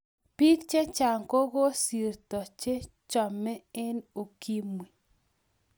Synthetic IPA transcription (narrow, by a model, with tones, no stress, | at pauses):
pi˦kt͡ʃe˦t͡ʃa˨ŋko˦ɣo˦si˨rt̪ɔ˨t͡ʃe˦ | t͡ʃɔ˨mɛ˦e˦no˨ki˦mwi˨